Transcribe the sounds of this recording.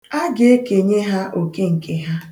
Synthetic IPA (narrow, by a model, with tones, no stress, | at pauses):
a˦ɡe˨˦e˦ke˨ɲe˦ɦa˦ʔo˨ke˦ŋ̩˨kʰe˨ɦa˦